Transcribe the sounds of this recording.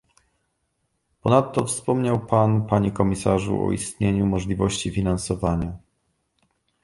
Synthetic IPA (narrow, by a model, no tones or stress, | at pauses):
pɔnat̪ːɔfspɔmɲawpanpaɲikɔmʲisaʐṵʔɔ̰ist̪ɲeɲumɔʐlʲivɔɕt͡ɕifʲinansɔvaɲa